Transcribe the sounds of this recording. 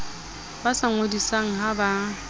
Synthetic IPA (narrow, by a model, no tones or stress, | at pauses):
basaŋodisaŋ̩ɦaba